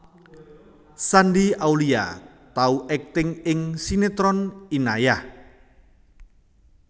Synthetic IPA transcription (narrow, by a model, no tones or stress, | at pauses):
sandiawlia̰ | t̪auʔɛk̚t̪ɪŋɪŋsinet̪ɾɔninajah